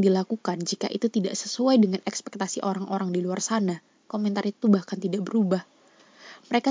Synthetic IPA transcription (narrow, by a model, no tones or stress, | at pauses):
dilakukand͡ʒika̰ʔḭt̪ut̪ida̰ʔsə̥suajdəŋanɛkspɛk̚t̪asiʔoɾaŋoɾaŋdiluarsana | komɛnt̪aɾit̪ubahkant̪idaʔbəɾubah | məɾeka